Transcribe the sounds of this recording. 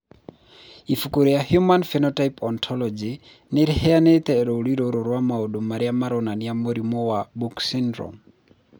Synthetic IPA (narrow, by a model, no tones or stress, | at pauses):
ifukʼuɾijahjumanfɛnɔtaipɔnt̪ʰɔlɔd͡ʒi | niɾihɛanɛt̪ʼɛɾɔuɺiɾɔɾɔɾwamaɔɗɔmaɾiamaɾɔnanijamoɾimɔwabuksɛndɾɔ̰m